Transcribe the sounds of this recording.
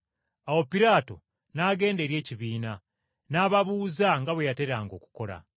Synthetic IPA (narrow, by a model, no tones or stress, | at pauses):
awo̞piɾaːto̞̰ | naɡe̞ːnde̞ɾje̞ːciβiːna | naːβaβuːzaŋɡaβwe̞jate̞ɾaːŋɡo̞ːku̥ko̞ɾa̰